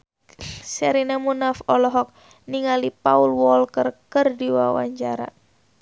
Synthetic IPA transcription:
sɛɾinamunafɔlɔɦɔk̚ | niŋalipaulwɔlkərkərdiwawa̰ɲt͡ʃaɾa̰

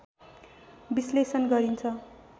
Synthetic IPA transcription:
bislesʌnɡʌɾint͡sʰʌ

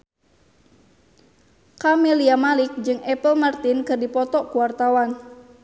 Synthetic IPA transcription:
kamiliamalɪk̚d͡ʒɨŋɛpəlmart̪ɪnkɨrdipɔt̪ɔʔkuwart̪awan

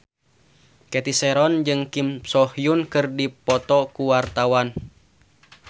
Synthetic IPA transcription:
kɛt̪isɛɾɔnd͡ʒɨŋkimsɔhjunkɨrdipɔt̪ɔkuwart̪awan

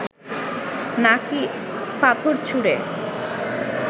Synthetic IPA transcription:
nakipat̪ʰoɾt͡ɕʰuɽe

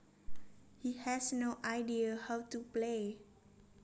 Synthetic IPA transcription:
hihɛsnoʔaɪdiəhawtuple

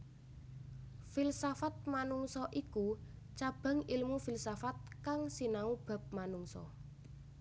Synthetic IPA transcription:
filsafat̪̚manuŋsɔʔiku | t͡ʃab̥ä̤ŋilmufilsafat̪̚kaŋsinaub̥a̤p̚manuŋsɔ̰

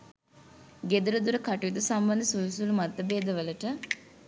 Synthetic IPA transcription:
ɡed̪uɾud̪uɾəkaʈujud̪usambɐnd̪əsujusulumat̪ːɐbeːd̪əʋələʈə

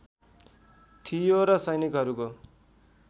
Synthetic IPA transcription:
t̪ʰijoɾʌsʌjnikɦʌɾuko

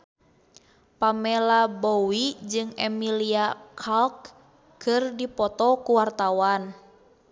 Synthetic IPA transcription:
pamɛlabɔwid͡ʒɨŋɛmiliakʰalkː | ɨrdipɔt̪ɔkuwart̪awan

